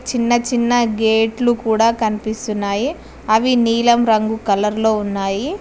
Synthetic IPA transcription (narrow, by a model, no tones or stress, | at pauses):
t͡ʃinːɐt͡ʃinːɐɡeːʈlukuːɽaːkɐnipist̪unːaːji | ɐʋiniːlɐmɾɐŋɡukɐlɐɾlo̞ːunːaːji